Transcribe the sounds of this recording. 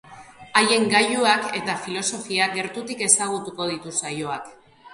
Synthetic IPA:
aje̞ŋɡajuake̞t̪afilo̞so̞fiaɡe̞ɾt̪ut̪ike̞saɣ̞ut̪uko̞ð̞it̪usajo̞ak

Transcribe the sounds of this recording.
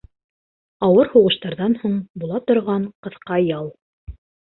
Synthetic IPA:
ɑwɤɾhuʁɤ̆ʃt̪ɑɾðɑnhuɴbulˠɑt̪ŏɾʁɑɴqɤ̆θqɑjɑlˠ

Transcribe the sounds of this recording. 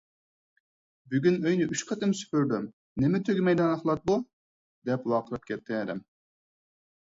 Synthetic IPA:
byɡʲynøjnɪʔyʃqʰɑt̪ɪmsy̥pyɾd̪ym | nɪmɪt̪ʰøɡʲɪmɛjd̪ɨnɑχlˠɑt̪̚bu | d̪ɛplˠɑqʰəlˠɨp̚kʲɛt̪ʰːɪɛd̪ɪ̰m

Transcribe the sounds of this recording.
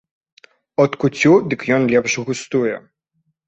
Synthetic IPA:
ɔt̪kut͡sʲud̪ɨkjɔnlʲɛpʂɣust̪ujɛ̰

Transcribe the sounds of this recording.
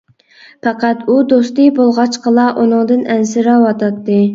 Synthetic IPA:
pʰɑqæt̪ud̪ost̪ɨbolˠʁɑt͡ʃqəlˠɑʔunɨŋd̪ɨnɛnsɪɾɑwɑt̪ʰɑt̪ːɨ

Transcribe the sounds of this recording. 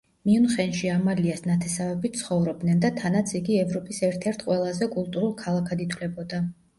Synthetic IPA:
miunχɛnʃiamaliasnat̪ʰɛsavɛbit̪̚sʰχɔvɾɔb̚d̪nɛnd̪at̪ʰanat̪sʰiɡiɛvɾɔpʼisɛɾt̪ʰɛɾt̪ʰqʼwɛlˠazɛkʼulˠt̪ʼuɾulˠkʰalˠakʰad̪it̪ʰwlɛbɔd̪a

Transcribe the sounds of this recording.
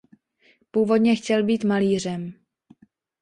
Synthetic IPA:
puːvo̞dɲɛxcɛlbiːt̪maliːr̝ɛm

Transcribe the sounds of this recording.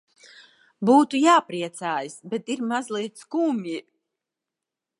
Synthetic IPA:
buːt̪ujaːpɾiɛt̪saːjasbɛt̪iɾmazlˠiɛt̪skuːmʲi

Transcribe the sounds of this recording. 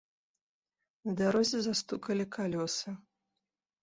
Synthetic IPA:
zd̪aɾɔzʲɪzast̪ukɐlʲikʰalʲɔsɨ

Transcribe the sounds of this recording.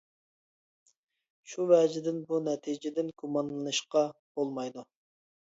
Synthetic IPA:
ʃuvɛd͡ʒɪd̪ɪnbunɛt̪ʰid͡ʒɪd̪ɪnɡumɑnlˠɨnɨʃqɑb̥olˠmɑjd̪u

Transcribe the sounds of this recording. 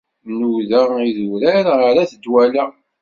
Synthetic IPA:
nuðæiðuɾæɾaɾæθəd̪wælæ

